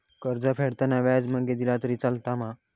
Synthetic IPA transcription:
kəɾd͡zapʰeɽt̪anaʋad͡zməɡed̪ilat̪əɾit͡salt̪amã

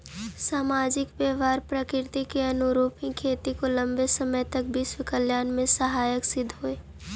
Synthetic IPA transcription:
saːmaːd͡ʒɪkbeːʋaːɾpɾəkɪɾɪt̪ikeɐnʊɾuːpɪ̃kʰeːt̪ikolɐ̃mbesəməjt̪ɐk̚bʱiswɪkəljaːnmẽsɐɦaːjəksɪd̪ʱɦoːeː

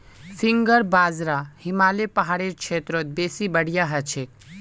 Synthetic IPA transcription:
siŋɡəɾbaːzɾahimaːlepəɦaɽeɾkʃʰeːt̪ɾot̪̚beːsibəɽjaɦət͡ʃʰek̚

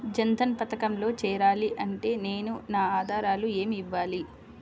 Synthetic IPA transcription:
d͡ʒɐnt̪ɐnpɐt̪ɐkɐmlo̞ːt͡ʃɛːɾaːliʔɐɳʈe̞ːne̞ːnunaːaːd̪ʱaːɾaːlueːmiʋːaːli

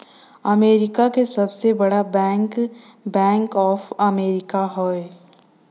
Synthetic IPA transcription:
ɐmeːɾɪkakesɐbsebɐɽabɛ̃ːŋk | bɛ̃ːŋkɔːfɐmeːɾɪkaɦoe

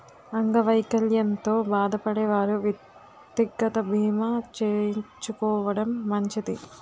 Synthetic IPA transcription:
ɐŋɡɐʋɐjkɐljɐnt̪o̞ːbaːd̪ɐpɐɽɛːʋaːɾuʋjɐ | t̪ːiɡɐt̪ɐbʱiːmat͡ʃeːɲt͡ʃukɔːʋɐɽɐmːɐɲt͡ʃid̪i

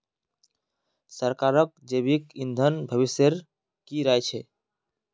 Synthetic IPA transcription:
səɾkaɾək̚d͡ʒebikind̪ʱənbʱəβiseɾ | kiɾajt͡ʃʰɛ

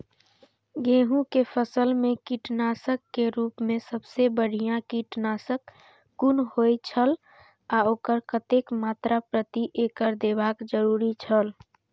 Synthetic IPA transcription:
ɡẽːɦũkepʰəsəlmẽkiʈnaːsəkːeɾuːpmẽsəbsebəɽ̤ijãkiʈnaːsəkː | unɦojt͡ʃʰəl | aoːkəɾkət̪ekmaːt̪ɾapɾət̪iʔekəɾd̪ebakd͡ʒəɾuɾit͡ʃʰəl

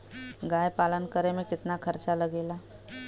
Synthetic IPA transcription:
ɡaːjpaːlənkəɾemẽkɪt̪nakʰɐɾt͡ʃaləɡeːlaː

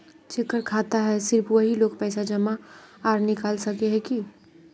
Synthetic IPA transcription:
t͡ʃʰɪkːəɾkʰaːt̪aɦɛsɪɾpʰʋəɦiloːɡpɛːsad͡ʒɐmaaːɾnɪkaːlsɐkeɦɛki

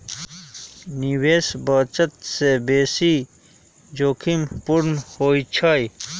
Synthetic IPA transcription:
niweːsbət͡ʃət̪sebeːsi | d͡ʑoːkʰimpuɾnhoːit͡ɕʰaj

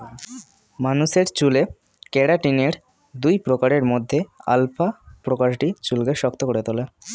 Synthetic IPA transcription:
manuʃeɾt͡ɕule | kɛɽaʈineɾ | d̪ujpɾokaɾeɾmod̪ʱːea̰lfapɾokaɾʈit͡ɕulɡeʃɔkt̪okoɾet̪ole

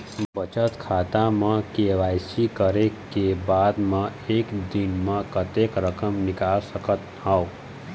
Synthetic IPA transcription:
bət͡ʃət̪kʰaːt̪ãmãkeʋaːjsikəɾekebaːd̪mãeːkd̪inmãkət̪ekɾəkəmnɪkaːlsəkət̪ɦao

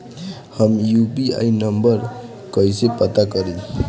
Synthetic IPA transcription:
həmjubia̰inəmbəɾ | kəisepət̪akəɾi

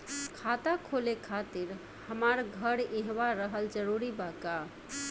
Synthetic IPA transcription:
kʰat̪akʰolekʰat̪iɾ | həmaɾɡʱəɾẽɦʋaɾəɦəld͡ʒəɾuɾibaka

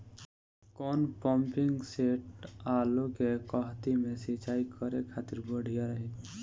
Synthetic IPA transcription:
kɔːnpɔmpɪŋɡseːʈaːlokekɔɦt̪imẽsit͡ʃaːikəɾekʰaːt̪ɪɾbəɽ̤ʱijaɾəɦin

